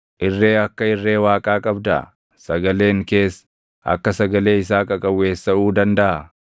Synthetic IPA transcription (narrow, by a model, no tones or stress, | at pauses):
ʔɪrːe̞ːɐkːɐɪrːe̞ːwaːkʼaːkʼɐbd̪ɐʔ | sɐɡɐle̞ːŋke̞ːs | ʔɐ̰kːɐsɐɡɐle̞ːɪs̬aːkʼɐkʼɐwːe̞ːsːɐuːd̪ɐnd̪ɐʔɐ